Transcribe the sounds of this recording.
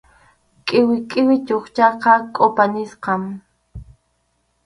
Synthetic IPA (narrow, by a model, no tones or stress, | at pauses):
kʼɪwɪkʼɪwɪt͡ʃoχt͡ʃɑqɑkʼopanɪsqɑm